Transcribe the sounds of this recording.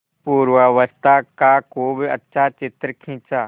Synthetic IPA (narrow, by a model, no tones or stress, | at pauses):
puːɾʋəʋəst̪akakoːbɪɐ̰tːʃʰat͡ʃɪt̪ɾəkʰĩːt͡ʃaː